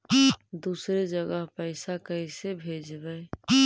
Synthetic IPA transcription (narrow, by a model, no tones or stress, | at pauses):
d̪uːsɾed͡ʒəɡəɦpəɪsakəisebʱed͡ʒbəɪ